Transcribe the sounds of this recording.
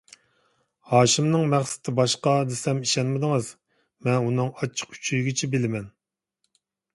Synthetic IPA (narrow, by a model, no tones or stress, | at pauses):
hɑːʃimnɨŋmæχsɪ̥t̪ʰɪbɑʃqɑd̪esɛmiʃɛnmɪd̪ɨŋɨz̥ | mɛnunɨŋɑt͡ʃʰːə̥qy̥t͡ʃʰyjɡʲɪt͡ʃʰɛbɪlɪmɛn